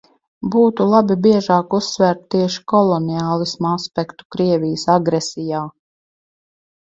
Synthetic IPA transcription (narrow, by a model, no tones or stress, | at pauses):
buːt̪ulˠabibiɛʒaːkusːvæɾt̪ːiɛʃi̥kɔlˠɔniaːlˠismaspʲɛkt̪u̥kɾiɛvʲijəsaɡɾɛsijaː